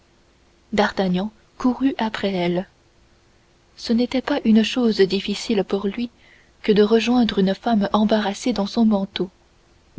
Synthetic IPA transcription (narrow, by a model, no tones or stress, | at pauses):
d̪aʁt̪aɲɑ̃ | kuʁyʔapχɛɛl | sənet̪ɛpaʔynəʃozd̪ifisilpuʁlɥi | kəd̪əʁəʒwɛ̃d̪ʁynəfamɑ̃baʁased̪ɑ̃sɔ̃mɑ̃t̪o